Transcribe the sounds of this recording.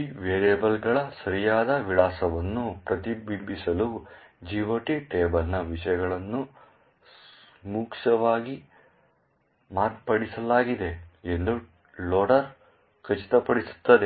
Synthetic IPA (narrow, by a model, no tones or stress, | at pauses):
iʋeːɾeːbɐlɡɐɭɐsɐɾijaːd̪ɐʋilaːsɐʋɐnːupɾɐt̪ibibisɐlud͡ʒiːʋɐʈiʈeːbɐlnɐʋiʂɐjɐɡɐɭɐnːu | s | muːkʃɐʋaːɡi | maːɾpɐɽisɐlaːɡid̪e̞end̪u | loːɽɐɾ | kɐt͡ʃi̥t̪ɐpɐɽisu̥t̪ːɐd̪e̞